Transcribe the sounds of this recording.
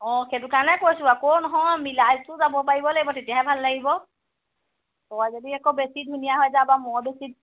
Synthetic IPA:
ɔ̃ketukanɛkojsubakɔnɔɦɔ̃milaztʊzabɔpaɹibɔlaɡibɔtetijaɦɛbʱalːaɡibɔ | tɔjzodiɛkɔbesidminijaɦɔjzabamɔɹbesid̚

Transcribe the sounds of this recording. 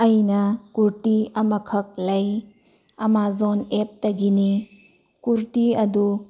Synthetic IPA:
ɐjnɐkuɾtiɐmɐkʰɐk̚lɐj | ɐmazonep̚tɐɡini | kuɾtiɐdu

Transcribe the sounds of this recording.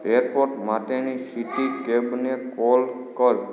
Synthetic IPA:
eɾpoɾʈmat̪enisiʈikebnekol | kəl

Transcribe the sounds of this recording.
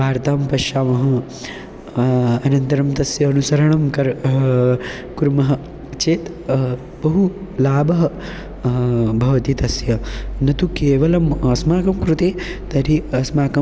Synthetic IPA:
bʱaːɾt̪aːmpɐʃjaːmɐɦɐ̃̆ | ɐnɐnt̪ɐɾɐmt̪ɐsjɐːnusɐɾɐɳɐmkɐɾ | kuɾmɐɦɐ̆ | t͡ʃeːt̪ | bɐɦulaːbɐɦɐ̆ | bʱɐʋɐt̪it̪ɐsjɐnɐt̪ukeːʋɐlɐmɐsmaːkɐmkɾut̪eːt̪ɐɾiɐsmaːkɐ

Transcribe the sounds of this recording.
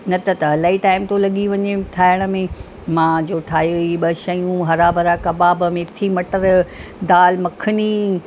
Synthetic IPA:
nɐt̪ɐt̪ɐɐlaːiʈaːɪmt̪olɐɠiʋɐɲeʈ̪ʰaːɪɽ̃ə̆mẽ | mãd͡ʑoːʈʰaːɦiʋiɓɐʃɐjũɦɐɾaːbɐɾakɐbaːbəmẽt̪ʰimɐʈəɾd̪aːlmɐkʰəni

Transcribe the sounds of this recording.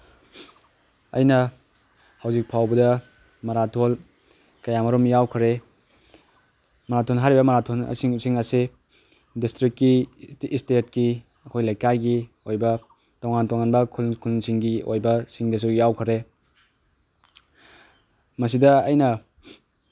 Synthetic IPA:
ɐ̰jnɐ | hɐwzik̚pʰawbɐdɐ | mɐɾatʰol | kɐjamɐɾomjawkʰɐɾe | mɐɾatʰonɦaɾibɐmɐɾatʰonɐ̰siŋsiŋɐse | distɾikːistet̚ki | ɐkʰojlɐjkajɡi | ojbɐ | towŋantoŋanbɐkʰulkʰulsiŋɡio̰jbɐsiŋdɐsujawkʰəɾe | mɐs̬idɐːjnɐ

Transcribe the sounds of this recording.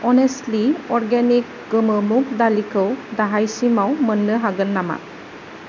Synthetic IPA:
ɔnestliɔɾɡenik̚ | ɡɯmɯmuk̚dalikʰɯwdaɦajsimawmənːɯɦaɡɯnːama̰

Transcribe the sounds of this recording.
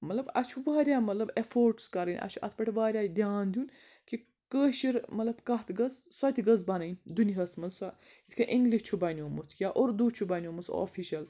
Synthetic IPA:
mɐllɐbɐ̰t͡ʃʰuʋaːɾʲjaːmɐt̪lɐbefoːɾʈskɐɾɐnʲʔɐ̰t͡ʃʰuʔɐ̰t̪ʰpɐʈʰɐʋaːɾʲjaːid̪iaːnd̪ʲjuːnki | kəːʃiɾmɐtlɐbkɐɦt̪ʰɡɐzswat̪ʲiɡɐzbɐnɐnʲd̪uniɦɐsmɐzsait̪ʰkʰɐʔiŋɡliʃt͡ʃʰubɐnʲoːmut̪ʰjʲaːʔoɾd̪uːt͡ʃʰubɐnʲjoːmuso̰fiʃɐl

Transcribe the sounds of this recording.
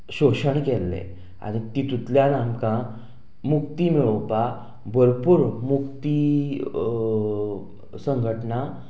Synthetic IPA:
ɕoɕəɳkelːḛ | a̰ɽ̃it̪it̪ut̪ljãnamkã | mukt̪imiɭowpa | bʱəɾpuɾmukt̪i | səŋɡʱəʈna

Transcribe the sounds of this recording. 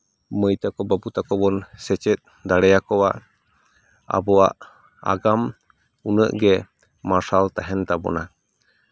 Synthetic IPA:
məjt̪akɔbaput̪akɔbɔnsɛt͡ʃɛt̪̚ | d̪aɽɛakɔwa | a̰bɔa̰ʔ | a̰ɡam | unə̰ʔɡɛ | masalt̪aɦɛnt̪abɔ̰na

